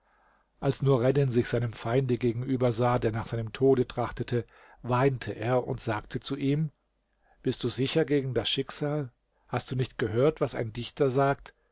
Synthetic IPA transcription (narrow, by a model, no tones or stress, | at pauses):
ʔalsnuːɐʁɛdɪnzɪçz̥aɪnəmfaɪndəɡeːɡŋ̩ʔyːbɐzaːdeːɐnaːχxz̥aɪnəmtʰoːdətʁ̥aχtətʰə | vaɪntʰəʔeːɐʔʊ̰ntz̥aːk̚tʰət͡suʔiːm | b̥ɪst̚d̥uːzɪçɐɡeːɡŋ̩dasʃɪkz̥aːl | hast̚d̥uːnɪçtɡ̥əɦøːɐtv̥asa̰ɪndɪçtɐzaːk̚t